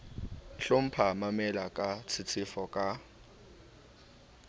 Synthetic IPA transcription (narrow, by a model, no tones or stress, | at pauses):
ɬʊm̩pʰamamɛlakʼat͡sʰɪt͡sʰɪfɔkʼa